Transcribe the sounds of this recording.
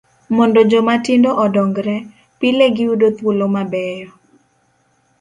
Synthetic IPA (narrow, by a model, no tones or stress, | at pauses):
mɔndɔd͡ʒomatɪndɔʔɔdɔŋɡɾɛ | pileɡɪudot̪wolomabɛjɔ